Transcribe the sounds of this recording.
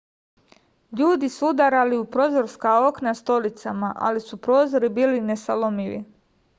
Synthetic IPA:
ʎuːd̪isuud̪aɾaliupɾo̞ːzo̞ɾskao̞knast̪o̞lit̪samaʔa̰lisupɾo̞ːzo̞ɾibiːline̞salomiʋḭ

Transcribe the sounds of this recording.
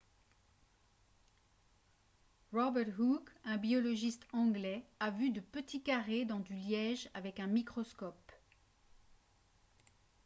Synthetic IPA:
ʁɔbɛʁt̪ɦukɛ̃biɔlɔʒist̪ɑ̃ɡlɛavyd̪əpət̪ikaʁed̪ɑ̃d̪yljɛʒavɛkɛ̃mikχɔskɔp

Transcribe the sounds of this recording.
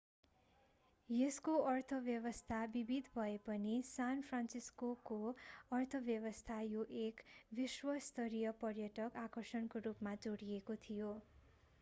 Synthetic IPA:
jeskoʔʌrt̪ʰʌbjʌβʌst̪ʰabibid̪ʱbʱʌepʌnisanpʰransiskokoʌrt̪ʰʌbjʌβʌst̪ʰajoʔekbiswʌst̪ʰʌɾijʌpʌrjʌʈʌkakʌrsʌnkorupmad͡zoɽijekot̪ʰijo

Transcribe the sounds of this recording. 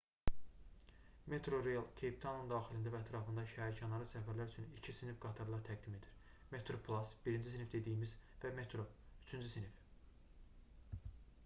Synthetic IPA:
me̞t̪ʰɾo̞ɾejɑlˠcʲʰe̞jp̚t̪ʰɑnund̪ɑːxilind̪ævæːt̪ʰɾɑfɯnd̪ɑʃæɾcʰɑnɑɾɯsæfæɾlæɾyt͡ʃʰynicʰisinifɡɑt̪ʰɑɾlˠɑɾt̪ʰæɡ̚d̪ime̞d̪iɾ | me̞t̪ʰɾopʰlˠɑsbiɾind͡ʒisinifd̪e̞d̪ijimizvæme̞t̪ʰɾo̞yt͡ʃʰynd͡ʒysinif

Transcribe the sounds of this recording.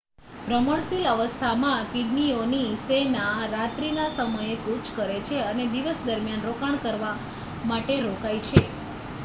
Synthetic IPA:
bɾəməɳsiləʋəst̪ʰamãkiɖnionisenaɾat̪ɾinasəməjekut͡ʃkəɾet͡ʃʰeəned̪iʋəsd̪əɾmjanɾokaɳ̃kəɾʋa | maʈeɾokajt͡ʃʰe

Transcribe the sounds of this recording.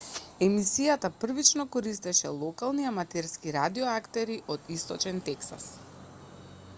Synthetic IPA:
ɛmisijat̪apr̩vit͡ʃnɔkɔɾist̪ɛʃɛ̰lˠɔkalˠniamat̪ɛɾskiɾad̪iɔakt̪ɛɾiʔɔd̪ist̪ɔt͡ʃɛnt̪ɛksa̰s

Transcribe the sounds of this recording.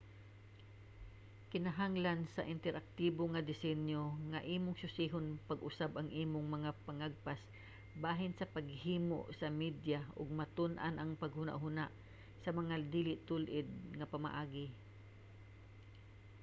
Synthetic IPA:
kɪnaɦaŋlansɐʔɪnt̪ɛɾʔak̚t̪iːboŋad̪ɪsɛnjoŋaʔiːmoŋsʊsiɦʊnpɐɡʔʊsabʔɐŋʔiːmʊŋmɐŋapɐŋaɡ̚pas | baːɦɪnsɐpaɡhiːmo̰ʔsɐmid̪jaʔʊɡ̚mat̪ʊnʔanʔɐŋpɐɡhʊna̰ʔɦʊnaʔ | sɐmɐŋad̪iːlɪʔt̪ʊlʔɪd̪̚ŋɐpɐma̰ʔaːɡɪ

